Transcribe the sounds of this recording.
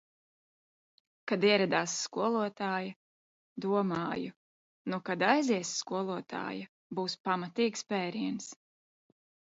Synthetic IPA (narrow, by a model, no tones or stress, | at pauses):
kad̪iɛɾad̪aːsːkuɔlˠuɔt̪aːjɐ | d̪uɔmaːju | nukad̪ajziɛsːkuɔlˠuɔt̪ʰa̰ːjɐ | buːspamat̪iːkspɛːɾiɛns